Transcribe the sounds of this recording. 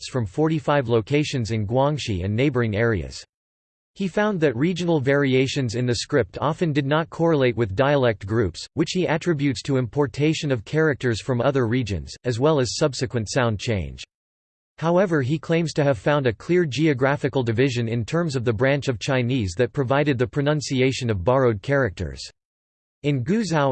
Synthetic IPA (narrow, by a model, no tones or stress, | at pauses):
sfɹʌ̃ɱfɔɹɾifaɪvloʊkʰeɪʃɨ̃nzɨ̃nɡwɑ̃ŋʃḭɨ̰̃nːeɪbə˞ɪ̃ŋɛɹiɨ̰z̥ | hifãʊ̃nðɨt̚ɹid͡ʒɨnl̩ˠvɛɹieɪʃɨ̃nzɨ̃nðɨskɹɪp̚tʰɑfɨ̃ndɨdⁿnət̚kʰɔɹəleɪʔ̚wɨðdaɪəlɛk̚t̚ɡ̥ɹʉpswɨt͡ʃhiʔɨtʰɹ̥ɪbjʉtstʰəɨ̃mpʰɔɹtʰeɪʃɨ̃nʌv̥kʰɛɹɨk̚tə˞z̥fɹʌ̃mʌðə˞ɹid͡ʒɨ̰̃nz̥ɨzwɛlˠɨz̥sʌbsɨkwɨ̃ntsãʊ̃nd̚t͡ʃʰẽɪ̃nd͡ʒ̥ | haʊɛvə˞ikʰl̥ẽɪ̃mz̥tʰɨːv̥fãʊ̃ndɨkʰl̥ɪɹd͡ʒiɨɡɹæfɨkl̩ˠdɨvɪʒɨ̃nɨ̃ntʰɜ̃˞mzʌvðɨbɹæ̃nt͡ʃʌv̥t͡ʃʰãɪ̃nizðɨt̚pʰɹ̥ɨvaɪɾɨd̪̚ðɨpʰɹ̥ɨnʌ̃nsieɪʃɨ̃nʌvbɑɹoʊd̚kʰɛɹɨk̚tʰə̰˞z̥ | ɨ̃nɡʉzaʊ